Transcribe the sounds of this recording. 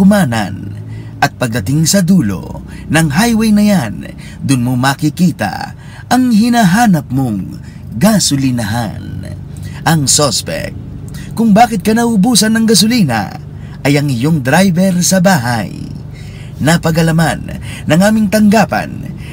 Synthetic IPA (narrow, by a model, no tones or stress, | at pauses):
ʊmanɐ̰n | ʔɐt̪̚pɐɡ̚d̪ɐt̪ɪŋsɐd̪uːlo̞̰ | nɐŋɦajwɛjnɐjan | d̪ʊnmomɐkɪkiːt̪a̰ | ɐŋhɪnaɦaːnɐp̚moŋ | ɡasʊlɪnɐɦa̰n | ʔɐŋsospɛ̰k̚ | kʊŋbaːkɪt̪̚kɐnɐʔʊbuːsɐnːɐŋɡɐs̬ʊlinɐ̰ | ʔɐjɐŋɪjoŋd̪ɾajbɛɾsɐbaːɦa̰j | nɐpɐɡɐlɐmanːɐŋaːmɪŋt̪ɐŋɡaːpɐ̰n